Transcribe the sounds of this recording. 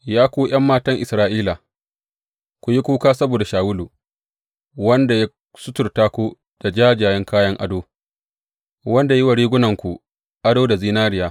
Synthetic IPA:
jaː˦kʷuː˦j̰ɐ˦mːaː˦tɐ˦ŋʔɪ˨sɾaː˦ʔiː˦la˨ | kʷu˨ji˦kʷuː˦kaː˦sɐ˦boː˨da˨ʃaː˨wʊ˦lu˨ | wɐ˦nda˨ja˦ | sʊ˦tʊ˨rtaː˦kʷu˦ | d̥a˨d͡ʒaː˦d͡ʒaː˨jɐ˦ŋkaː˦jɐ˦ŋʔa̰˦doː˦ | wɐ˦nda˨ji˦wa˨ɽiː˦ɡʷʊ˦nɐ˨ŋkʷu˨ | ʔa˦doː˦da˨ziː˦naː˦ɾɪ˨jaː˨

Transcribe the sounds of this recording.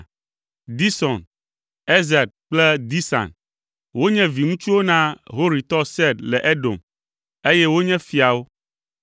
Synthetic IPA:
d̪i˦sɔ˨n | e˦zɛ˨d̪̚k͡plɛ˦d̪i˦sã̰˨n | wo˦ɲɛ̃˦vi˨ŋũ˦t͡ʃu˦wo˦nã˦ɦo˦ɾi˨t̪ɔ˦sɛ˦d̪lɛ˨ʔe˦ɖo̰˨m | e˦jɛ˦wo˦ɲɛ̃˦fi˨a˨wo˦

